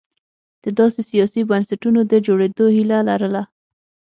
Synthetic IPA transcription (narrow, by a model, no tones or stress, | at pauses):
d̪̥əd̪ɑsesijɑsibansaʈunod̪əd͡ʒoɽed̪ohilalaɾəla